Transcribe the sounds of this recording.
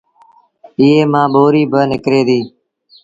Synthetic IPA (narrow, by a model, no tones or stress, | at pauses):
ɪːeːmãːɓoːɾiːbʱənɪkɾeːd̪iː